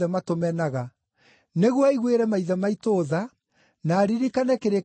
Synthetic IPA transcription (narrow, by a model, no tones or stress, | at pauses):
ɛmatomɛnaɣa | neɣwɔiɣweɾɛmaiðɛmaitoːða | naːɾiɾikanɛkeɾe